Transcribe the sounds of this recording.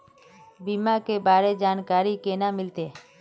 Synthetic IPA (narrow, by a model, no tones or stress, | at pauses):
biːmãːkebaːɾed͡ʒaːnkaːɾikeːnamɪlt̪eː